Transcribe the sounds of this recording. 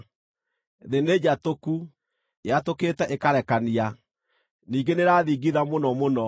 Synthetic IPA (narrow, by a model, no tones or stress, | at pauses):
ðened͡ʑatoku | jatoketɛʔekaɾɛkania | niːŋɡeneɾaːðiɡiðamonɔmonɔ